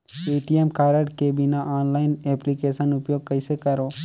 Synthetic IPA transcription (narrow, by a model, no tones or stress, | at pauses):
eːʈijemkaːɾəɽʈkebinaʔaːnlaːɪneplikeːsənʊpjoːɡ̚kɐɪsekɐɾoː